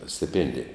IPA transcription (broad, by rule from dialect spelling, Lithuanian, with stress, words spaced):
sʲtʲɪˈpʲeːnʲdʲɪjɛ